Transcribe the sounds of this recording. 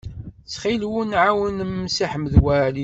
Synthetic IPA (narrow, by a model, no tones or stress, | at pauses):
t͡sːχilwunʕawənmːsiħməðwæli